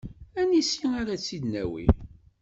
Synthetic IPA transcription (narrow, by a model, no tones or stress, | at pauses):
ænisiaɾat͡sːid̪næ̰wḭ